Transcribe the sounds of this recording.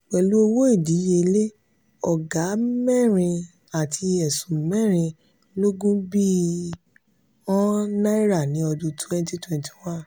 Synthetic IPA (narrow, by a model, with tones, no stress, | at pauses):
wɛ˨lu˨˦o˧wo˦i˦˨di˨˦je˧le˦ | ɔ˨ɡa˨˦mɛ˦˨ɾ̃ĩ˧ | a˨tʰi˧ɛ˨sũ˨˦mɛ̃˦˨ɾ̃ĩ˧ | lo˦ɡũ˦bi˦ | ɔ̃˦nã˦i˦ɾa˦˨nĩ˨˦ɔ˧dũ˧twɛ̃˦n˦ti˦twɛ̃˨nti̥˨wã˦n